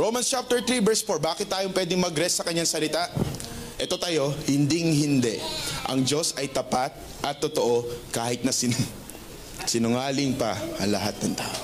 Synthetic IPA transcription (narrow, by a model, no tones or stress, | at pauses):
ɹowmɐnst͡ʃap̚t̪ɛɹt̪ɾibɛɹsfoɹbaːkɪt̪ːaːjopwɛːd̪ɪŋmɐɡɾɛsːɐkɐɲːaŋsɐlɪt̪aʔʔɛt̪o̞t̪ɐjo̞hɪnd̪iŋhɪnd̪ɛʔɐ̰ŋd͡ʒo̞sɐjt̪ɐpat̪̚ | ʔɐt̪ːot̪oʔo̞kaːhɪt̪̚nɐsɪ | sɪnʊŋaːlɪŋpɐʔɐŋlɐɦat̪̚nɐŋt̪a̰ːʔo